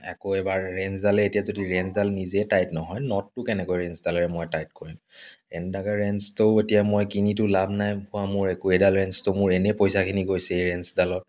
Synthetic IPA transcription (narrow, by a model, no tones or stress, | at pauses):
ɛ̰koɛbaɹːɛnsdalɛetijazodiɹɛnsdalnizɛtajtnɔɦɔjnɔtːʊkɛnɛkojɹɛnsdalɛɹɛmɔjtajt̚koɹim | ɛndaɡaɹɛnstoʊetijamojkinitʊlabʱnajhʊwamʊɹɛkuedalɹɛnstomʊɹɛnɛpojsakʰiniɡojsɛejɹɛnsdalɔt